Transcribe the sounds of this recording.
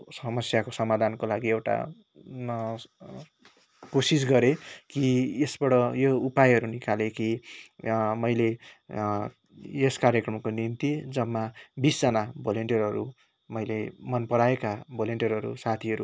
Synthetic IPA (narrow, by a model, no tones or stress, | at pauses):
sʌmʌsjakosʌmad̪ʱankolaɡiewʈa̰ | kosis̬ɡʌɾekiesbʌɽʌjoupajɦʌɾunikaleki | mʌjle | eskaɾjʌkrʌmkonint̪id͡zʌmːabisd͡zʌnabʱoleɳʈijʌrɦʌɾṵ | mʌjlemʌnpʌɽaekabʱoleɳʈjʌrʌɾṵsat̪ʰiʌɾu